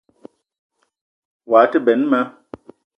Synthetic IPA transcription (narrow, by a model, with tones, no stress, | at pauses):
waː˨˦tə˦bɛ˨˦nma˦